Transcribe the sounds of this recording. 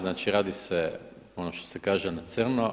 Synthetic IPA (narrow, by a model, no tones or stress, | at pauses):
znaːt͡ʃiɾaːd̪ise | onoʃt̪o̥sekaːʒenat̪sərno